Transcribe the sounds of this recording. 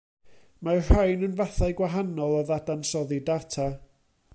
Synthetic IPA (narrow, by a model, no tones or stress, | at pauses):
mar̥ajnənvaθajɡwaɦanɔlˠɔðadansɔðidatʰa